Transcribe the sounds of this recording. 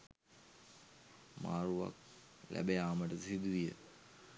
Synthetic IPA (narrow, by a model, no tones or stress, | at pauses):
maːruʋa̰k̚ | lʔæ̰bejaːməʈəsid̪uʋijə̰